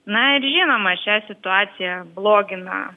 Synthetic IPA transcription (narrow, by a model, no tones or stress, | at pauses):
nɐɪɾʒʲinomɐt͡ʃʲæsʲɪt̪ʊɑːt̪sʲɪjɛblˠoːɡʲɪnɑ̰